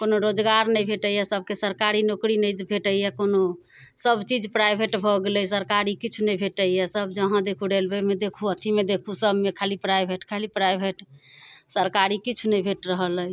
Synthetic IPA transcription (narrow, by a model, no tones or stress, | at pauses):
konoɾod͡ʒɡaɾnəjbʱeʈəijɛsəb̚ʱkesəɾkaɾinokɾinəjbʱeʈəijɛkono | səbt͡ʃid͡ʒpɾajbʱeʈbʱɔɡeləjsəɾkaɾikit͡ʃʰunebʱeʈəjɛsəbd͡ʒəɦãd̪ekʰuɖelbɛmed̪ekʰuət̪ʰimed̪ekʰusəbmekʰalipɾajbʱeʈkʰalipɾajbʱeʈsəɾkaɾikit͡ʃʰunəbʱeʈɾəɦələj